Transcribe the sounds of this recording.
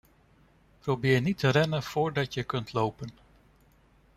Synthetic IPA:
prowbɪːɹnitərɛnəv̥ʊːɹdɑtjəkɵntʰlowpən

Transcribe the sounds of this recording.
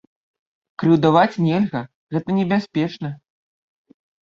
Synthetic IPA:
kɾɨwd̪avat͡sʲnʲɛlʲɣɐ | ɣɛt̪ɐnʲɛbʲasʲpʲɛt͡ʂnɐ

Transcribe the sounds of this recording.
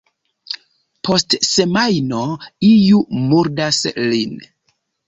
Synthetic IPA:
po̞stse̞majnoijumuɾdaslin

